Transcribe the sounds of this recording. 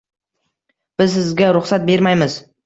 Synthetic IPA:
b̥ɪzsɪzɡʲaɾʊχsat̪̚be̞ɾmajmɪz

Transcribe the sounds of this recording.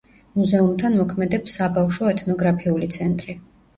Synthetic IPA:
muzɛumt̪ʰanmɔkʰmɛd̪ɛpsːabafʃɔɛt̪ʰnɔɡɾapʰiulit̪sʰɛnt̪ʼɾi

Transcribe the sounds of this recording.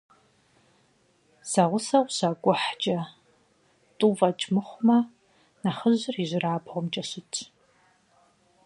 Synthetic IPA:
sɐʁʷʊsɐwʷɕaɡʷʼʊħt͡ʃʼɐ | tʷʼuːvɐt͡ʃʼmɨχʷʊmɐ | naχəʑɪriʒɪraːbʰʁʷʊmt͡ʃʼɐɕɪt͡ʃʰʼ

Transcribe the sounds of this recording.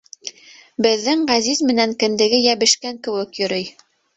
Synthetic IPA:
bɘ̆ðːɘŋʁæzizmɘ̆næŋkɘ̆nd̪ɘ̆ɡɘjæβɘ̆ʃkæŋkɘ̆wɘkjɵ̆ɾɤj

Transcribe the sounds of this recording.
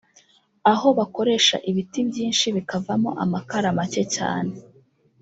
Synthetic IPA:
aɦo̞βako̞ɾe̞ʃa̰ʔiβitibɟiːnʃiβikavamo̞̰ʔa̰makaɾamace̞ca̰ːne

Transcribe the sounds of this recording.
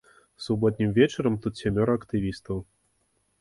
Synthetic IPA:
subɔt̪̚ʲnʲimvʲɛt͡ʃɐɾɐmt̪ut̪sʲamʲɔɾɐkt̪ɨvʲist̪ɐw

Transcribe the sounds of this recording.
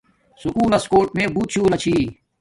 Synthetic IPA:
sukuːlɐskoːɾʈ̚mẽːbuːt̪̚t͡ʃʰuːlɐt͡ɕʰiː

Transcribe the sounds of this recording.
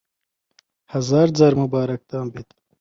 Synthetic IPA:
hɐzaːɾd͡zaɾmubaːɾɐk̚t̪aːmbit̪

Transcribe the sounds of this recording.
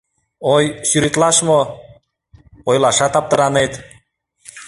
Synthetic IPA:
ojʃyɾit̪lˠɑʃmo | ojlˠɑʃɑt̪ɑp̚t̪ɤ̆ɾɑnet̪

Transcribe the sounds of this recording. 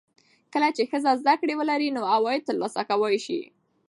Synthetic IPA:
kəlat͡ʃexəzazd̪akɽewəlaɾinoawɑjɪt̪əɾlɑsakawajʃḭ

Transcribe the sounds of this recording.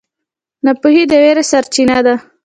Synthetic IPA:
napuɦid̪əweɾesaɾt͡ʃinad̪a

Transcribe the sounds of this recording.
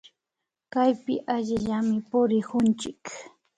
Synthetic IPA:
kajpɪ̰ʔaʎɪʎamɪpʊɾɪkʊnt͡ʃɪk

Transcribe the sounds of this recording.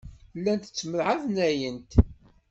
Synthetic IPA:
lːænt̪ə̥t͡sːməɾʕaðnæjənt̪

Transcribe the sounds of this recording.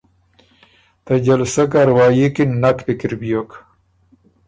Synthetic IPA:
t̪ɐd͡ʑɐlsɐkaɾwaːjikinːakp̪ikiɾbijok

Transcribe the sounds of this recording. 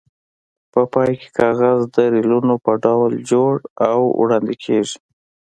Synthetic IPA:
pəpɑjke̥kʰɑɣazd̪əɾilunopəɖawld͡ʒoɽawwɽɑnd̪ikʰeʐi̥

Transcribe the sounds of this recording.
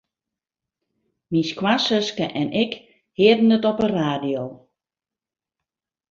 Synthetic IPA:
miskʰwasəskəʔɛnʔɪk | hɪədn̩ətɔpəraːdijoː

